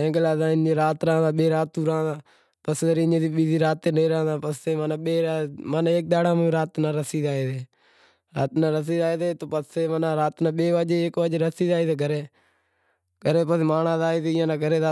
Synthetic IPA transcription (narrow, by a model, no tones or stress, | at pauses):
ẽːɡlaːd̪ãːɪnẽːɾaːt̪ɾãːd̪aːɓeːɾaːt̪ːuːɾãːd̪aː | pəsəɾeɲẽːd̪iːɓiːziːɾaːt̪ːeːnẽːɾaːd̪aːpəseːmaːnaːɓeːɾamaːnaːeːk̚ɗ̪aːɽãːmẽɾaːt̪nãːɾəsiːd̪aːeːt̪eː | ɾa̰ːt̪nãːɾəs̬iːd̪aːeːt̪eːt̪oːpəseːmaːnaːɾaːt̪nãːɓeːʋaːd͡ʒeːkʋaːd͡ʒeːɾəsiːd̪aːiːt̪eːɡʱəɾeː | ɡəɾeːpəsmaːnãːzaːeːt̪eːɪjãːnãːɡəɾeːaː